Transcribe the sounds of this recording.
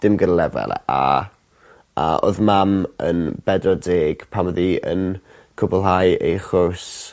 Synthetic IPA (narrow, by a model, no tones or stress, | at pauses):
d̥ɪmɡədalɛvɛ̰lˠɛ̰ʔa | ao̰ðmamə̰nb̥ɛdrɔdeːɡ̥pʰamðiə̰n | kʰʊbɔlˠɦajʔḛjχʊrs